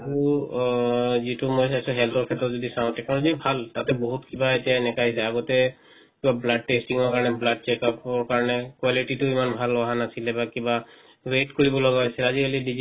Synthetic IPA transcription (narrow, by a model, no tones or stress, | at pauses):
aɹu | zitʊmojs̬asũɦɛltɔɹkʰɛtɔzɔdisãʊ̃tɛkʰãzibʱaltatɛboɦutkibaetijaenɛkaɦisɛaɡɔtɛ | kibablad̚ʈestiŋɔɹkaɹɔnɛblad̚t͡ʃɛkapɔɹkaɹɔnɛkwaliʈitʊimanbʱalɔɦanasilɛbakiba | ɹetkoɹibɔlɔɡɔasilazikalidizi